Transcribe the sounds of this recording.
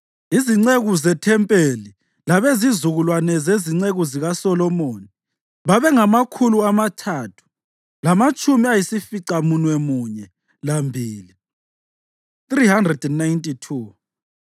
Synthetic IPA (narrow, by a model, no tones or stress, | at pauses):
iziŋ͡ǀeɣuzɛtʰɛmpʼeli | laβezizuɣulwanɛzeziŋ͡ǀeɣuziɣasɔlɔmoni | βaβɛŋamakʰuluamatʰaːtʰu̥ | lamat͡ʃʼumiajisifiǀamunwɛmuɲɛ | lambʱiːli | θrihandrɛdɛnːajntʼitʰuː